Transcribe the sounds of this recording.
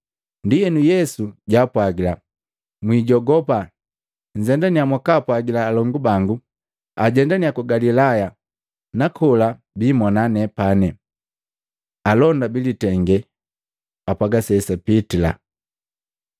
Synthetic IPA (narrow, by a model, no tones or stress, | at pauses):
ndijɛnujɛsuɟaːpwaɡila | mwiɟɔɡɔpa | ɲ̩d͡ʒɛndaniamwakaːpwaɡilaːlɔŋɡubaŋɡu | aɟɛndaniakuɡalilaja | nakʰɔla | bimɔnanɛpanɛ | alɔndabilitɛŋɡɛ | apaɡasɛsapitila̰